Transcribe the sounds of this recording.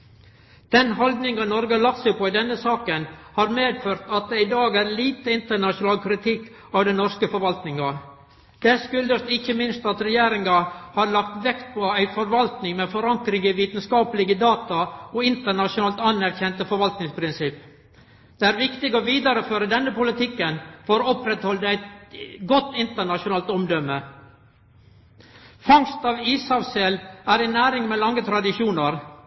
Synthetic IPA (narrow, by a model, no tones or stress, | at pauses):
d̪̥ɛnɦɔld̪nɪŋɑnɔɾɡəlɑsəpɔɪd̪ɛnːəsɑːkənhɑːɾmeːd̪føːɾt̪ɑt̪̚d̪ɛɪd̪ɑːɡæːɾliːt̪əɪnt̪əɳɑʂʊnɑːlkʰɾɪt̪ʰɪkː | ɑʋd̪ɛnɔɾskəfɔɾʋɑlt̪nɪŋɑ | d̪̥ɛskʉld̪əst̪ɪçːəmɪnst̪ɑt̪ɾɛjeːɾɪŋɑhɑɾɭɑkt̪ʋɛkt̪̚pʰɔæɪfɔɾʋɑlt̪nɪŋmɛːfɔɾɑŋkɾɪɡəʋiːt̪n̩skɑːpəlɪɡəd̪ɑːt̪ɑɔɪnt̪əɳɑʃʊnɑːlt̪ɑnːæɾçɛnt̪əfɔɾʋɑlt̪nɪŋspʰɾɪnsɪpː | d̪̥ɛæːɾʋɪkt̪ɪɡɔːʋiːd̪ɑɾəføːɾəd̪ɛnːəpʊlɪt̪ɪkːənfɔɾɔpɾɛt̪hɔld̪əæɪt̪ɡɔt̪ːɪnt̪əɳɑʂʊnɑːlt̪ɔmd̪ɔmːə | fɑŋst̪ɑːʋiːsɑʋsɛlæɾæɪnæːɾɪŋmɛːlɑŋːət̪ʰɾɑd̪ɪʂuːnəɾ